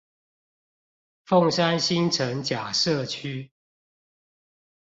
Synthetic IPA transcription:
fo˥˨ŋʂa˦nɕi˦nʈ͡ʂʰə˨˦ŋt͡ɕja˨˩ʂɤ˥˨t͡ɕʰy˦

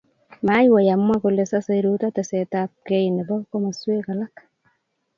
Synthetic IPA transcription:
ma˦jwa˨ja˨mː˦wa˦ko˨le˨sa˦sa˦ɾu˦ta˦ta˨se˨tap̚ke˦jnɛ˨bɔ˦kɔ˦ma˨swe˦ka˨la˦k

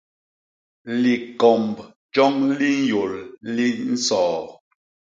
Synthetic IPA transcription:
li˨kɔ˨mb | d͡ʒɔ˦ŋli˦n˦jo˨lli˦n̩˦sɔː˨

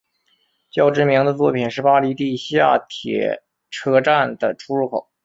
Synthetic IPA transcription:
t͡ɕjɑ˥˩ʊʈ͡ʂɻ̩˥˧mi˧˥ŋd̪ə˧t͡swɔ˥˩pʰi˨˩nʂɻ̩˥˩pa˥li˧˥t̪i˥˧ɕja̰˥˩t̪ʰjɛ̰˨˩ | ʈ͡ʂʰɤ˥ʈ͡ʂa˥˩nd̪ə˩ʈ͡ʂʰu˥ɻu˥˩kʰo˨˩˦ʊ

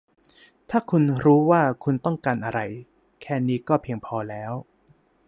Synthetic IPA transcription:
t̪ʰaː˥˩kʰu˧nɾuː˦˥waː˥˩kʰu˧nt̪ɔ˥˩ŋkaː˧nʔa˧ɾa˧j | kʰɛː˥˩niː˦˥kɔː˥˩pʰiː˧əŋpʰɔː˧lɛː˦˥w

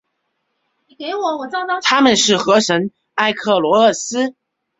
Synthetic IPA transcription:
ni˨˩ke˧˥ɪwɔ˨˦wɔ˨˩t͡sɑ˥ŋɑ˥t̪ʰa˥mə˨nʂɻ̩˥˩xɤ˧˥ʂə˧˥ŋ | a˥˧ɪkʰɤ˥˩lwɔ˧˥ə˥˩sɹ̩˥

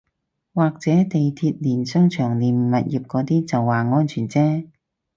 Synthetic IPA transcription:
waː˨k̚t͡sɛː˨˥t̪e˨jt̪ʰiː˧t̚liː˨˩nsœ˥ŋt͡ʃʰœː˨˩ŋliː˨˩nm̩˨mɐ˨t̚jiː˨˩p̚kɔː˨˧˥t̪iː˥t͡sɐ˨wːaː˨ŋɔː˥nt͡ʃʰyː˨˩nt͡sɛː˥

